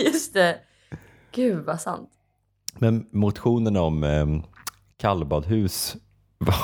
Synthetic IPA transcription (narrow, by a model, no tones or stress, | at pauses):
jɵst̪ɛ | ɡ̥ʉ̟ːvasa̰nt̪ | mɛnmʊt̪ɧuːnənɔm | kʰalːbɑːd̪ɦʉ̟ːs | va